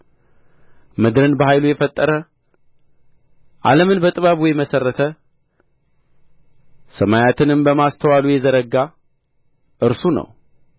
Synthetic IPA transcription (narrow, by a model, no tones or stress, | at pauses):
mɨd̪ɾɨnbəɦajlujɛfət̪ʼːəɾə | ʔaləmɨnbət̪ʼɨβaβujɛməsərːət̪ʰə | səmajat̪ʰɨnɨmbəmast̪ʰəwalujɛzəɾəɡa | ʔɨɾsunə̰w